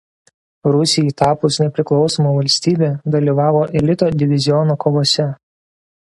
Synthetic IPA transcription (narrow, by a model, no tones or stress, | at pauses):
ɾʊsʲɪjit̪ɑːpʊsnʲɛpʲɾʲɪklˠɒʊsoːmoːʋɐlʲsʲt̪ʲiːbʲeːd̪ɐlʲiʋɑːʋoːʔɛlʲɪt̪oːd̪ʲɪʋʲɪzʲɪjɔnoːkoːʋoːsʲɛ